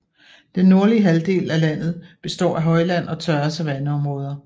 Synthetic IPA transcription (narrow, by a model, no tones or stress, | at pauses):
d̥enːo̝ɐliəɦæld̥e̝̰ːlælæn̰ð̞̩ˠb̥e̝sd̥ɒ̰ːʔæɦɒ̽ɪlæn̰ɒ̽t͡sʰɶɐsd̥æʋænəɒ̽mʁɔ̽ːð̞ˠɐ